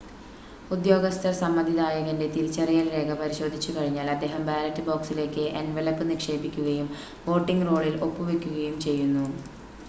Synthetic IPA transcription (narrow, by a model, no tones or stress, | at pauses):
ud̪jo̞ːɡɐst̪ɐrsɐmːɐd̪ʱiðaːjɐɣɐnde̞t̪iɾit͡ɕːɐrijɐlɾe̞ːkʰɐpɐɾiɕo̞ːd̪ʱit͡ɕːukɐɻiɲːaːlɐd̪ːe̞ːɦɐmbaːlɐtːɨboːksile̞ːkːɨʔenʋelɐpːɨnikʂe̞ːpikʲːuɣɐjum | ʋo̞ːʈːiŋɡro̞ːɭilo̞pːuʋekʲːuɣɐjumt͡ɕe̞jːunːu